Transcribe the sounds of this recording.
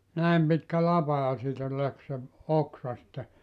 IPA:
næˑem pitkæ lɑpɑ jɑ siːtæ læk se oksɑ sĭtːe

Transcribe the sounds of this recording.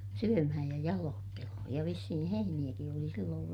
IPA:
syømæhæj jɑ jɑloːtːelohoj jɑ ʋisːihi heinij̆æki oli silːoːʋ

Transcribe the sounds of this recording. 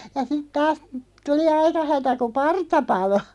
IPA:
jɑ sit tɑːs tuli ɑikɑ hætæ ku pɑrtɑ pɑlo

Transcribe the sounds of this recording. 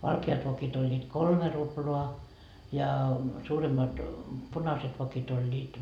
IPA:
ʋɑlkeɑt ʋokit olʲːiːt kolme ruploɑ jɑ suːremːɑt punɑset ʋokit olʲːiːt

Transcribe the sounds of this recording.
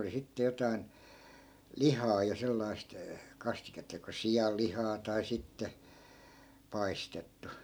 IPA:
oli sitːe jotɑi̯n lihɑː jɑ selːɑist kɑstiketːɑ joko sijɑlːihɑː tɑi sitːe pɑistetːu

